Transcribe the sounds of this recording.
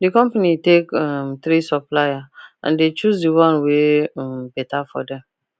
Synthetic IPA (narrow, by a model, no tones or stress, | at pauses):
dikɔ̃mpanitekɔmt̪ɾisɔplajaã̰ndet͡ʃusdiwɔ̃nweɔmbɛtafɔ̰dɛ̃m